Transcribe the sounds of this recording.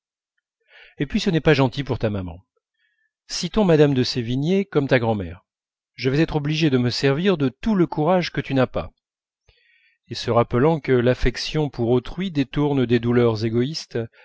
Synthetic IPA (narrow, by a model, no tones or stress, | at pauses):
epɥisənɛpaʒɑ̃t̪ipuʁt̪amamɑ̰̃ | sit̪ɔ̃mad̪amd̪əsevinjekɔmt̪aɡʁɑ̃mɛ̰ːʁ | ʒəvɛzɛt̪χɔbliʒed̪əməsɛʁviʁd̪ət̪uləkuʁaʒkət̪ynapa̰ | esəʁapəlɑ̃kəlafɛksjɔ̃puʁot̪χɥid̪et̪uʁnd̪ed̪ulœʁzeɡɔist̪